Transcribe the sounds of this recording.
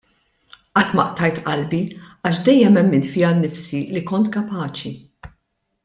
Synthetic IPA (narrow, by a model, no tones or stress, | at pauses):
ʔɐt̪ːmɐʔt̪ɐjt̪ʔɐlbiɐːʃd̪ɛjːɛmɛmːɪnt̪fɪjɐnːɪfsilikɔnt̪kɐpɐːt͡ʃi